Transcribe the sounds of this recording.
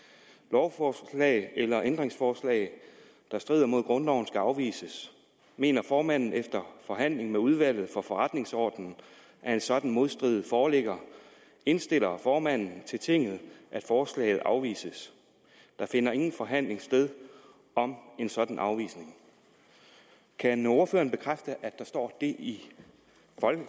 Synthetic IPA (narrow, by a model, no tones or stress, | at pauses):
lɒʊfɒːslɛ̰ɪelɐʔend̥ʁeŋsfɒːslɛ̰ɪ | d̥ɑ̈sd̥ʁḭːð̰ˠɐmo̝ð̞̰ˠɡ̥ʁɔ̽nd̥ɒʊn̩sɡ̥æɑ̈ʊʋḭːsəs | me̝̰ːnɐfɒːmæn̰n̩efd̥ɐfɒ̽ɦæn̰le̝ŋ̩meuðˠʋæl̰ð̞̩ˠfɒ̽fɒ̽ʁad̥ne̝ŋsɒ̰ːd̥n̩n̩ | ʔæɐe̝nsɒ̽d̥n̩mo̝ð̞ˠsd̥ʁið̩ˠfɒːleɡ̥ɐ | e̝nsd̥e̝l̰ɐfɒːmæn̰n̩t͡sʰe̝lt͡sʰe̝ŋ̰ð̩ˠʔæd̥fɒːslɛ̰ɪð̩ˠʔɑ̈ʊʋḭːsəs | d̥ɑ̈fe̝nɐe̝ŋn̩fɒ̽ɦæn̰le̝ŋsd̥eð̞ˠ | ɒ̽me̝nsɒ̽d̥n̩ʔɑ̈ʊʋḭːsne̝ŋ | kʰæno̝ɐfø̰ːɐn̩b̥e̝kʰʁafd̥əʔæd̥ɑ̈sd̥ɒ̰ːd̥e̝ʔi | fɒ̽lɡ̥